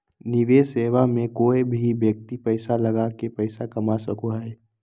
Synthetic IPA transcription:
nɪʋeːseːʋamẽkoːebʱibjək̚t̪ipəɪsaləɡakepəɪsakəmasəkoɦɛː

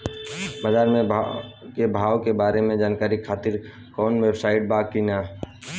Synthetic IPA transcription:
baːd͡ʒaːɾmẽkebʱaːwkebaːɾemẽd͡ʒaːnkaːɾikʰaːt̪ɪɾ | kɔːnʋebsaːɪʈ̚baːkinaː

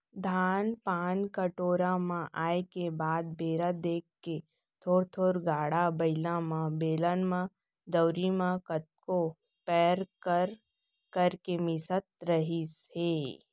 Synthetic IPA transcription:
d̪ʱaːnpaːnkəʈoːɾamãʔaːekebaːd̪̚beːɾad̪eːkʰːe | t̪ʰoːɾt̪ʰoːɾɡaːɽabɐɪlãmãbeːlanmã | d̪əwɾimãkət̪̚ko | pɛːɾkəɾ | kəɾkemɪsət̪̚ɾəɦiseː

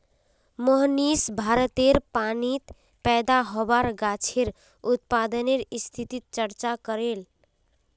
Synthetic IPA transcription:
mɔɦnisbʱaɾət̪eɾpanit̪ | pɛd̪aɦobaɾɡat͡ʃʰeɾ | ut̪̚pad̪əneɾist̪ʰit̪it̪̚t͡ʃəɾt͡ʃakəɾel

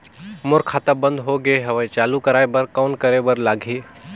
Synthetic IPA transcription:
mʊɾkʰːaːt̪abə̃nd̪ɦoɡeɦɐʋəĩt͡ʃaːlukəɾaːebəɾkɔːnkəɾebəɾlaːɡʱiː

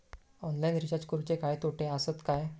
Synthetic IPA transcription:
ɔnlajnɾit͡ɕad͡ʑkuɾt͡ɕekajt̪oʈʰeasət̪kaj

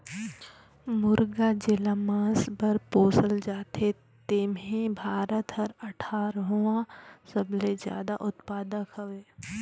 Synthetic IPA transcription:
mʊɾɡad͡ʒɪlamãːsbəɾpoːsəld͡ʒaːt̪e | t̪eːmɦĩbʱaːɾət̪ɦɐɾɐʈʰaːɾɦuãsɐblezja̰ːd̪aʔʊt̪paːd̪əkʰɦɐʋeː

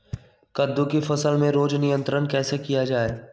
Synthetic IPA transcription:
kɐd̪ːõkifɐsəlmẽɾoːd͡ʒnɪjə̃nt̪ɾənkɛːsekijad͡ʒaːe

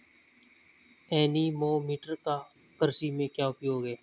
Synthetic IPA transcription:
ɛːniːmoːmiːʈəɾkaː | kəɾsiːmẽːkjaːʊpjoːɡeː

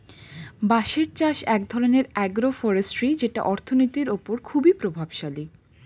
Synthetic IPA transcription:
baʃeɾt͡ɕaʃɛk̚d̪ʱɔɾoneɾɛɡɾofɔɾesʈɾid͡ʑeʈa̰ʔɔɾt̪ʰonojt̪iɾopoɾkʰubipɾobʱabʃali

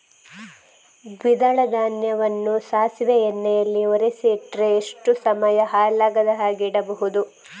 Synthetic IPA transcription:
ɡʋid̪ɐɭɐd̪aːnjɐʋɐnːusaːsʋɛenːɛjɐlːioɾesiʈɾeːʂʈusɐmɐjɐɦaːlaːɡɐd̪ɐɦaːɡiːɽɐbɐɦud̪u

